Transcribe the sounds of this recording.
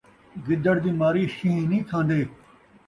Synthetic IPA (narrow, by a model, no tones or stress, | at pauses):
ɡɪd̪əɽd̪iːmaːɾiːʃĩɦnĩːt̪ʰãːnd̪eː